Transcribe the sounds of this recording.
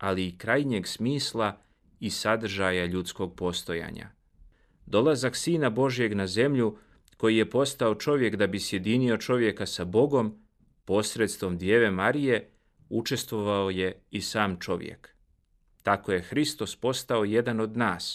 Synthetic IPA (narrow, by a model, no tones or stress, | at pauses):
aliːkɾaːjɲe̞ɡsmiːslˠa | isad̪r̩ʒajaʎut̪sko̞ɡ̚po̞st̪o̞ja̰ːɲa̰ | d̪o̞lˠazaksiːnabo̞ʒije̞ɡnaze̞mʎu | ko̞jije̞po̞st̪ao̞t͡ʃo̞ʋje̞kd̪abisje̞d̪inio̞t͡ʃo̞ʋje̞kasabo̞ɡo̞m | po̞sɾe̞t̪st̪ʋo̞md̪jeːʋe̞maɾije̞ | ut͡ʃe̞st̪ʋo̞ʋaoje̞isaːmt͡ʃo̞ʋjḛk | t̪ako̞je̞xɾist̪o̞spo̞st̪ao̞je̞d̪ano̞d̪naːs